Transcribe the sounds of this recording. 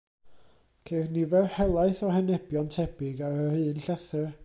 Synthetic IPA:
kʰernivɛrhɛlˠaɨθɔhɛnɛb̥jɔntʰɛb̥ɪɡaəhɨːnɬɛθər

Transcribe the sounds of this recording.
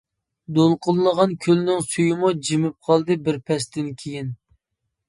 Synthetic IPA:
d̪olˠqʊlˠːəʁɑnkʲʰølnɪŋsujɪmud͡ʒimɪp̚qʰɑlˠd̪ɨbɪɾpʰɛst̪ɪnkʲʰejin

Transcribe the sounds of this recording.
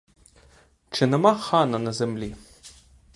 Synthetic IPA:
t͡ʃɘnɛmaxanɐnɐzɛmlʲi

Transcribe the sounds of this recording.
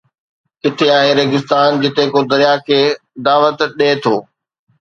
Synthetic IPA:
ɪt̪ʰeaːɦeɾɐɡɪst̪aːnd͡ʑɪt̪ekod̪ɐɾjakʰeː | d̪aːʋət̪ɗeːt̪ʰoː

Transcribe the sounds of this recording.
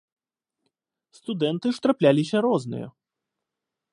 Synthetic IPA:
st̪ud̪ɛnt̪ɨʂt̪ɾaplʲalʲisʲɐɾɔznɨ̰jɐ̰

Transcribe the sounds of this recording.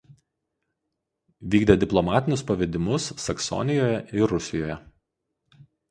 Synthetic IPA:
ʋʲiːɡd̪ʲeːd̪ʲɪplˠɔmɑːt̪ʲɪnʲʊspɐʋʲɛd̪ʲɪmʊsːɐksɔ̰nʲɪjoːjɛʔɪɾʊsʲɪjoːjɛ

